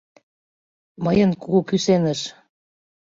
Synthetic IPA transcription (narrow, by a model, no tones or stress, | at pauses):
mɤjə̆nkuɣukysenə̆ʃ